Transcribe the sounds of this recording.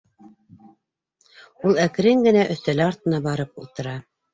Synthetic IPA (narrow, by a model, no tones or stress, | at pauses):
ulˠæk̆ɾɘŋɡɘ̆næʔɵ̆θt̪ælɘɑɾt̪ɤ̆nɑbɑɾɤpulˠt̪ɤ̆ɾɑ